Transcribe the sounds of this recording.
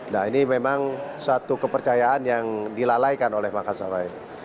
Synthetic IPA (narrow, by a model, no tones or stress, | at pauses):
nainimemaŋsat̪ukəpərt͡ʃajaːnjaŋdilalajkanolɛhmakasa̰bail